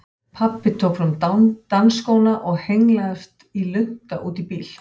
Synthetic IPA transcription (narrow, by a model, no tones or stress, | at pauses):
pʰapːɪt̪ʰowkfɾʏmt̪anskoːwnaʔɔɣhejŋlaɛft̪ilʏnt̪aʔuːt̪ipiːl̥